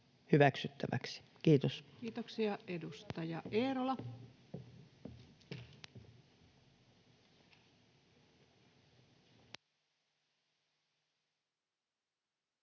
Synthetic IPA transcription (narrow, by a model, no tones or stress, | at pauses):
hyʋæksyt̪ːæʋæ̰ksi̥kiːt̪oskiːt̪oksiɑedust̪ɑjɑʔeːɾolɑ